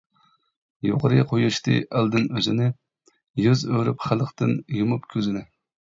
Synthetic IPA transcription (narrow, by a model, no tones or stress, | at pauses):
joqʰəɾɨqʰojuʃt̪ɨ̰ʔæld̪ɪnøzɪnɪ | jyzøɾypχælˠəχt̪ɨnjumupkʲʰøzɪnɪ